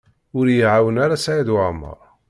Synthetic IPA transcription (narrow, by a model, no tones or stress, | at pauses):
ʊɾjiʕawənaɾasajiðwaʕmə̰ɾˤ